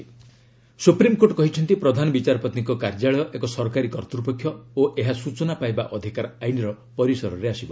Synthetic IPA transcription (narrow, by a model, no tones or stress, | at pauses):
supɾimkoʈkɔɦit͡ʃʰɔnt̪ipɾɔd̪ʱanɔbit͡ʃaɾɔpɔt̪nikɔkaɾd͡ʒaɭɔjɔʔekɔsɔɾɔkaɾikɔɾt̪ɾupɔkʰːjɔoʔeɦasut͡ʃɔnapajbaʔɔd̪ʱikaɾajniɾɔ | pɔɾisɔɾɔɾeasibɔ